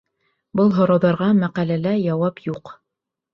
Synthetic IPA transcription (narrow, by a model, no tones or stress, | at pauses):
bɤlˠɦŏɾɑwðɑɾʁɑmæqælælæjɑwɑpjuq